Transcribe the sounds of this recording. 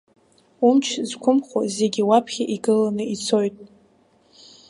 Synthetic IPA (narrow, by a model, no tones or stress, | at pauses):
umt͡ʃʰzkʷʰʊmχʷa̰zeɡʲiwapʰχʲaʔiɡɨlanɨit͡sʰo̞jtʼ